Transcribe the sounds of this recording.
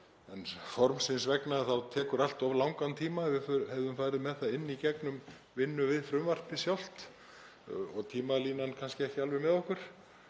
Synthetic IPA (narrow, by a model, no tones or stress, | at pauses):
ɛnfɔɾmsɪnsvɛknaθawt̪ʰɛːkʏɾal̥t̪ɔvlawŋkant̪ʰiːmavɪfɛvðʏmfaːjɾɪðmɛðθaɪnːicɛknʏm | vɪnːʏvɪðfɾʏmvar̥p̪ɪsjawl̥t̪ | ɔɣt̪ʰiːmaliːnankʰanscɪɛhcɪalvɛmɛðɔhkʏɾ̥